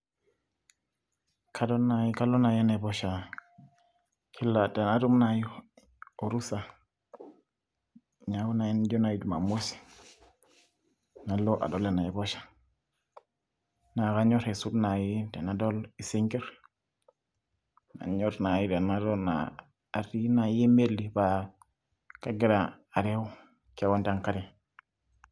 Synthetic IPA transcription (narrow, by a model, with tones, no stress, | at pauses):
kʰa˦do˦na˨ji˦ka˦lo˦na˨je˦ne˨bo˦ʃa˨ | kʰi˦lːa˨dɛ˨na˦du˦mna˨ji˦ | o˨ɾu˦sa˨ | ɲa˦wu˦na˨ji˦nd͡ʒo˦na˨ji˨du˨ma̰˨mo˦si̥˨ | na˨lo˦ʔa̰˨do˦le˨na˨ɛ˨bo˦ʃḁ˨ | na˨ɣa˦ɲo˦ɾe˨su˦dna˨ji˦de˨na˨do˦li˨si˦ŋɡe˦ɾ | na̰˨ɲo˦ɾna˨ji˦de˨na˦ɾo˦na̰ː˨ | ɾi˦na˨ji˦me˦lːi˨ba˨ | ka˦ɡi˦ɾa˨ | a˨ɾe˦u˦ | ka˦wa˦nta˦˨ŋka˦di˦˨